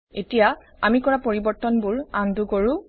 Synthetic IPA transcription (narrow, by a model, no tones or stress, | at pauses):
etija | amikɔɹapoɹibɔɹtɔnbuɹandukoɹũ